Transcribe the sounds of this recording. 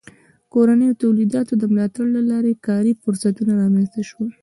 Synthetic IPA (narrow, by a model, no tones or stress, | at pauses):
koɾanəjot̪awlid̪ɑt̪od̪əmlɑt̪aɽlalɑɾekɑɾifʊɾsat̪unaɾɑmenst̪aʃwə